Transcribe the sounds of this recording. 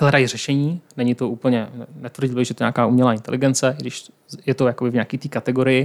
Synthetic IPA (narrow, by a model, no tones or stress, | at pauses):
ɦlɛdajirɛʃɛɲiːnɛɲɪt̪oʔuːpl̩ɲɛnɛt̪vɾr̩ɟɪlbɪɣʒɛjɛt̪oɲaːkaːumɲɛlaːɪnt̪ɛ̰lɪɡɛnt͡sɛɡdɪʃ | jɛt̪ojakobɪvɲaːkiːt̪iːkat̪ɛɡoɾɪjɪ